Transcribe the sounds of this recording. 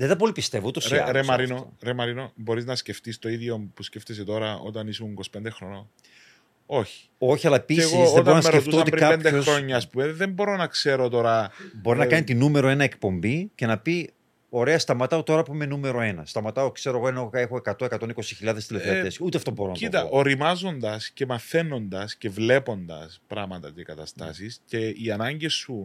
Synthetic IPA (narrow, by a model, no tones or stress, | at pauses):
ðet̪ɐp̬o̞lipist̪e̞vout̪osɾemɐɾinoo̰ɾemɐɾino̞bo̞ɾiznɐsce̞ft̪ist̪oiðʝopusceft̪es̬et̪o̞ɾɐo̞̰t̪ɐnisuunikosi̥pend̪exɾono | o̞çi̥ | o̞çiɐlːɐpisɣioeb̪oɾonɐseɾetft̪uoot̪iɾkɐend̪eoɾoɲːɐːspumeðembo̞ɾo̞nɐkse̞ɾo̞t̪o̞ɾɐbo̞ɾinɐkɐnit̪inume̞ɾo̞e̞nɐekpo̞mbice̞nɐpi | o̞ɾe̞ɐst̪ɐmɐt̪ɐot̪o̞ɾɐpuime̞nume̞ɾo̞e̞nɐst̪ɐmɐt̪ɐokse̞ɾoɣoenoexoe̞kɐt̪o̞e̞kɐt̪oniko̞si̥çilʎɐðest̪elefeɐt̪esut̪eɐft̪oboɾonɐt̪iot̪ɐʔoɾimɐzo̞nd̪ɐsce̞mɐθe̞no̞nd̪ɐsce̞vle̞po̞nd̪ɐ̰spɾɐmɐt̪ɐt̪ikɐt̪ɐst̪ɐ̰sisce̞iɐnɐɲɟesːu